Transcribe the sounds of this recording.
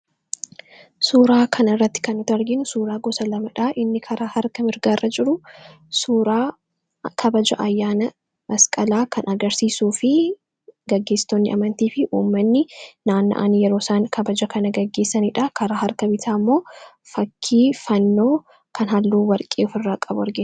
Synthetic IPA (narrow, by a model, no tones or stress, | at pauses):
suːɾaːkʰɐnɪrːɐt̪ːɪ̥kɐnʊt̪ɐɾɡɪnʊsuːɾaːɡɔsɐlɐmɐᶑaːʔɪnːɪkʰɐɾaːhɐɾkɐmɪɾɡaːrːʔɐd͡ʒɪɾʊ | suːɾaː | kʰɐbɐd͡ʒɐʔɐjːaːnɐ | mɐskʼɐlaːkɐnʔɐɡɐɾsiːsuːfɪ | ɡɐɡːe̞ːst̪ɔnːɪʔɐmɐnt̪iːfɪʔuːmːɐnːɪnaːnːɐ̰ʔa̰ːnɪjɛɾo̞ːsaːnkʰɐbɐd͡ʒɐkɐnɐɡɐɡːe̞ːsːɐniːᶑɐkɐɾaːhɐɾkɐbɪt̪ʰaːmːo̞ː | fɐkʰːiːfɐnːo̞ː | kʰɐnɦɐlːuːwɐɾkʼḛːʊfɪrːaːkʼɐbʊɐɾɡɪn